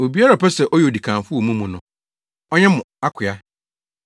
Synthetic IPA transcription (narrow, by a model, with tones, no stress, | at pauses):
o˨bi˨˦a˦ɾa˨pʰɛ˦sɛ˨ʔɔ˦jɛ˨o˨di˨kʰãː˨fʊ˦o˨mũ˦mũ˨nʊ̃˨ | ɔ˦ɲɛ̃˦mʊ̃˨a˦kʷʰɪ˨a˦